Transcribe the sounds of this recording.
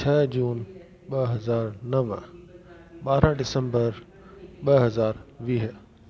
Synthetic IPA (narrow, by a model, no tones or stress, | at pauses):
t͡ɕʰɐːd͡ʑuːn | ɓɐɦɐzaːɾnɐʋ | ɓaːɾãɖɪsə̃mbəɾ | ɓɐɦɐzaːɾʋiːɦ